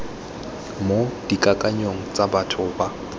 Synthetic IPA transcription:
mod̥ikʼakʼaɲoŋ̩t͡sʼabatʰʊba

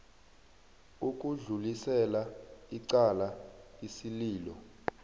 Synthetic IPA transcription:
uk̬ʼuɮulisɛlaiǀalaisiliːlɔ̰

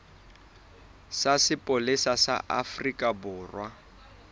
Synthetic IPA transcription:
sasɪpʼolɪsasa̰ʔafrikʼabʊːrwa

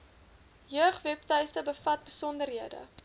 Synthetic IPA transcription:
jøəχvɛptœɥstəbəfɐt̚bəsɔndərɦiədə̰

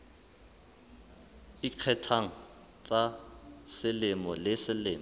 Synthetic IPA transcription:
iq͡χʰɛtʰaŋ̩ | t͡sʼasɪlɪmɔlɪsɪlɪːm

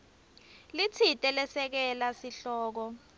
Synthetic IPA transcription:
lit͡sʰitʼɛlɛsɛk̬ɛlasiɬɔːk̬ɔ

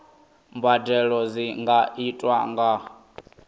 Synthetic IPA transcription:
mbadɛɺɔziŋɡaʔitʼwaŋɡa

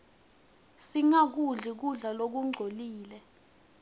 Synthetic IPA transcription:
siŋak̬uɮik̬uɮalok̬uŋ͡ǀʱoliːlɛ

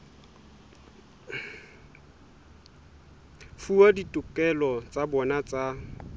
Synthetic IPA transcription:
fuaditʼʊkʼɛlɔt͡sʼabɔnat͡sʼa

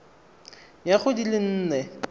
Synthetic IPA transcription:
jaχʊdilɪn̩ːnɛ

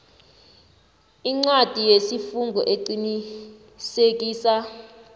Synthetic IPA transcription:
iŋ͡ǀad̥ʱijesifuŋɡʱɔʔeǃini | sek̬ʼiːsa

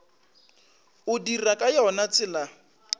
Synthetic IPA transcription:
ʊdirakʼajɔnat͡sʼɪla

